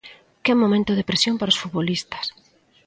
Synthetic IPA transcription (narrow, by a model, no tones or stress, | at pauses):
kɛmõmẽnt̪ʊðɪpɾesjompaɾaosfut̪̚βolist̪ɐ̥s